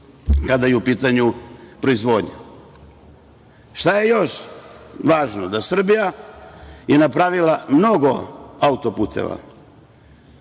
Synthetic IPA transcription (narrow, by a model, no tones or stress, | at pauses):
kad̪ajeupiːt̪aɲupɾo̞izʋo̞ːd̪ɲa̰ | ʃt̪ajejo̞ʃ | ʋaːʒnod̪asr̩bija | jenapɾaʋilamno̞ɡo̞aut̪o̞puːt̪ʰḛʋa̰